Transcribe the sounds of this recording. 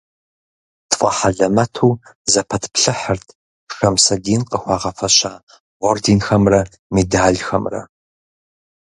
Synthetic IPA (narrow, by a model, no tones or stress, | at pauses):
tʰfʼɐ̰ħaɮɐmɐtʰuːzɐpʰɐtʰpɬɨħərtʰ | ʂɐmsɐdiːnqʼəxʷɑːʁɐfɐɕaː | ʁʷɔrdiːnxɐmrɐ | miːdaːɮxɐmrɐ̰